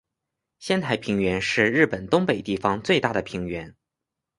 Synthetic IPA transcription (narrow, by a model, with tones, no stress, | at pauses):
ɕjɛ˥nt̪ʰa˧˥ɪpʰi˧˥ŋɥɛ˧˥nʂɻ̩˥˧ɻɻ̩˥˩pə˨˩nt̪ʊ˥ŋpe˨˩ɪt̪i˥˩fɑ˧˥ŋt͡swe˥˧ɪt̪a˥˩d̪ə˩pʰi˧˥ŋɥɛ˧˥n